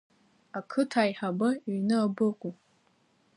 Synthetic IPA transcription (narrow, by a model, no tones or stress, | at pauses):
akʰɨtʰaːjħabɨnɨabɨqʷʼu